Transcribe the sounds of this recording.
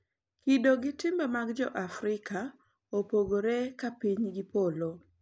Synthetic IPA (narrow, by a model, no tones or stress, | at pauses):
kidoɡɪtɪmbamaɡd͡ʒɔ̰ʔafɾɪka | opoɡoɾekapiɲɡɪpolo